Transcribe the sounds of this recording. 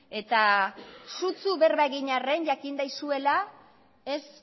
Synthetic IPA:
e̞t̪a | sut͡suβe̞ɾβaɣiɲare̞nʝakind̪ajsue̞la | e̞s

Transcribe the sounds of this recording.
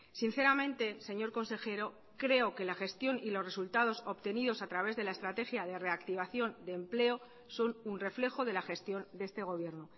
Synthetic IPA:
sin̟θe̞ɾamẽ̞nt̪e̞se̞ɲo̞ɾko̞nse̞xe̞ɾo̞ | kɾe̞o̞ke̞laxe̞st̪jo̞nilo̞sre̞sult̪að̞o̞so̞pt̪e̞niðo̞sat̪ɾaβ̞e̞zðe̞laest̪ɾat̪e̞xjað̞e̞re̞akt̪iβ̞aθjo̞nd̪eːmple̞o̞ | so̞nunre̞fle̞xo̞ðe̞laxe̞st̪jo̞nd̪e̞st̪e̞ɣ̞o̞β̞je̞ɾno

